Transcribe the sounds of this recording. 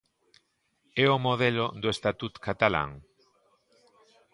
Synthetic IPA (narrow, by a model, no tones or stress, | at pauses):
ɛomoðelod̪oest̪at̪ut̪kat̪ala̰ŋ